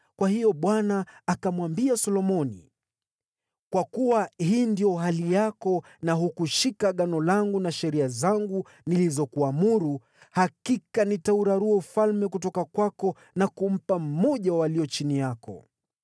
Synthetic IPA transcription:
kwahijɔɓwanaːkamwambiasɔlɔmɔnḭ | kwakuwahiːndijɔɦalijakɔ | naɦukuʃikaɠanɔlaŋɡunaʃɛɾiazaŋɡu | nilizɔkuamuɾu | hakikanitauɾaɾuɛufalmɛk̬ut̬ɔkakwakɔ | nakum̩pam̩mɔʄawaliɔt͡ʃinijakɔ̰

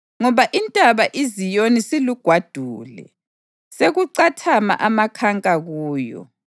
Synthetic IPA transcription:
ŋɔβaʔintʼaβaʔizijonisiluɡ̥ʱwad̥ʱuːlɛ̰ | seɣuǀatʰama̰ʔamakʰaŋkʼaɣuːjɔ̰

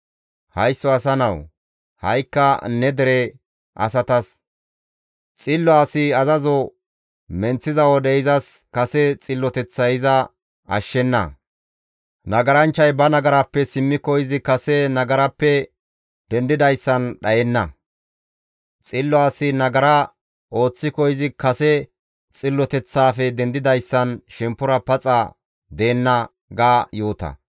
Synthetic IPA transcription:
hɐjsːɔɐsɐnɐw | hɐjkːɐnɛd̪ɛɾɛ | ʔɐ̰sɐt̪ɐs | t͡sʼɪlːɔaːsɪɐzɐzɔ | mɛnt͡sːɪzɐwɔd̪ɛɪzɐskɐsɛt͡sʼɪlːɔt̪ɛt͡sːɐɪzɐ | ɐ̰ʃːɛnːɐ̰ | nɐɡɐɾɐnt͡ʃːɐjbɐnɐɡɐɾɐpːɛsɪmːɪkːɔɪzɪkɐsɛnɐɡɐɾɐpːɛ | d̪̥ɛnd̪ɪd̪ɐjsːɐnɗɐjɛnːɐ | t͡sʼɪlːɔaːsɪnɐɡɐɾɐ | o̞ːt͡sːɪkɔjɪzɪkɐsɛ | t͡sʼɪlːɔt̪ɛt͡sːaːfɛd̪ɛnd̪ɪd̪ɐjsːɐnʃɛmpːʊɾɐpɐt͡sʼɐ̰ | d̪eːnːɐ | ɡaːjoːt̪ɐ̰

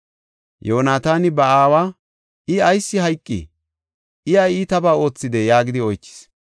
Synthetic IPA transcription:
joːnaːt̪aːnɪbɐaːwaː | ɪɐjsːɪhɐjkʼːɪ̰ | ɪjɐjit̪ɐbaːo̞ːt͡sːɪd̪ɛjaːɡɪd̪ɪɔjt͡ʃːɪ̥s

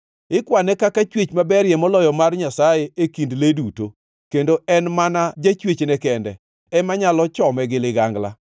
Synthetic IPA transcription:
ɪkwanɛkakat͡ʃwet͡ʃmabɛɾjɛmɔlɔjɔmarɲasajeekindleduto | kendoɛnmanad͡ʒat͡ʃwet͡ʃnɛkɛndɛ̰ | ɛmaɲalɔt͡ʃɔmɛɡɪlɪɡaŋɡla̰

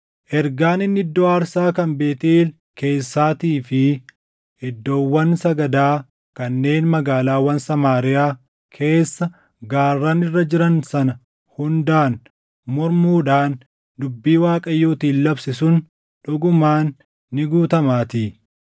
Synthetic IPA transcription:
ʔɛɾɡaːnɪnːɪd̪ːoːɐɾsaːkɐmbe̞ːt̪ːl | ke̞ːsːaːt̪iːfɪ | ɪd̪ːo̞ːwːɐnsɐɡɐd̪aː | kɐnːe̞ːnmɐɡaːlaːwɐnsɐmaːɾɪjaː | kʰe̞ːsːɐ | ɡaːrːaːnɪrːɐd͡ʒɪɾɐnsɐnɐ | hʊnd̪aːn | mɔɾmuːᶑaːn | d̪ʊbːiːwaːkʼɐjːoːt̪iːnlɐbsɪsʊn | ᶑʊɡʊmaːnː | ɪɡuːt̪ɐmaːt̪iː

